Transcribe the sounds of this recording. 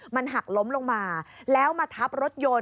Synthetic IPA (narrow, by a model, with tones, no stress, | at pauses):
ma˧nɦa˨˩k̚lo˦˥mloː˧ŋmaː˧lɛː˦˥wmaː˧t̪ʰa˦˥p̚ɾo˦˥t̪̚joː˧